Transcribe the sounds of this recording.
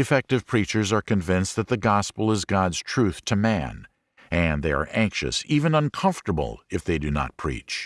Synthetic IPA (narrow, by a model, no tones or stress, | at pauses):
ɨfɛk̚tɨv̥pʰɹ̥it͡ʃə˞zə˞kʰɨ̃ɱvɪ̃nsðɨt̪̚ðɨɡɑspl̩ˠəzɡɑdz̥tʰɹ̥ʉθtʰɨmæ̃n | ɨ̃nðeɪə̰˞ʔæ̃ŋkʃɨ̰sivɨ̃nʌ̃nkʰʌ̃ɱftə˞bə̰l̩ˠɨfðeɪdɨnə̰t̚pʰɹ̥ḭt͡ʃ